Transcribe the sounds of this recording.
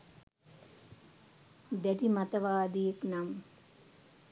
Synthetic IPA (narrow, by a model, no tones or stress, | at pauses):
d̪ɛʈimat̪ɐʋaːd̪ijeknam